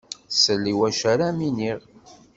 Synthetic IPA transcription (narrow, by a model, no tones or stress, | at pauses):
səlːiwæʃæɾaminiʁ